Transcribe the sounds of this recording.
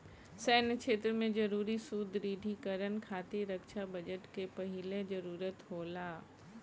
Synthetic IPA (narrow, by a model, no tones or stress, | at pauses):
sɛːnkʰeːt̪ɾəmẽd͡ʒɐɾuːɾisud̪ɾiːɖʱikəɾənkʰaːt̪iɾəkʃabɐd͡ʒəʈkepɐɦɪlezɐɾuːɾət̪ɦoːlaː